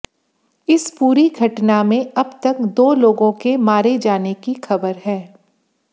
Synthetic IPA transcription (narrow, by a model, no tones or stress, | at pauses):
ɪspuːɾiɡʱɐʈnamẽɐbt̪ɐkd̪oːloːɡõkemaːɾed͡ʒaːnekixɐbəɾɦɛː